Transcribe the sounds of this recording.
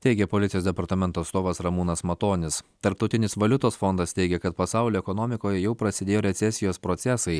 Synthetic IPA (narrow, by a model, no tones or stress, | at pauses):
t̪ʲɛɪɡʲɛpoːlʲɪt̪ʲɪjoːd̪ʲɛpɐɾt̪ɐmʲɛnt̪oːɐt̪st̪oːʋɐsɾɐmuːnɐsmɐt̪oːnʲɪst̪ɐɾp̚t̪ɐʊt̪ʲɪnʲɪsʋɐlʲʊt̪oːsfond̪ɐst̪ʲɛɪɡʲɛkɐt̪pɐsɑˑʊlʲoːɛkonoːmʲɪkoːjɛjɛʊpɾɐsʲɪd̪ʲeːjoːɾʲɛt̪sʲɛsʲɪjoːspɾoːt̪sʲɛsɐɪ